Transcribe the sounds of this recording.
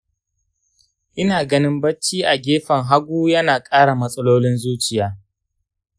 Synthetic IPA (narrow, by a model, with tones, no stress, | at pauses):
ʔɪ˦naː˨ɡɐ˦nɪ˦mbɐ˦t͡ʃːiː˦ʔa˨ɡʲeː˦ɸɐ˨ŋɦa˦ɡʷuː˦jɐ˦naː˨kʼaː˦ɽa˨mɐ˦sʼɐ˦loː˦lɪ˦nzuː˦t͡ʃɪ˨jaː˦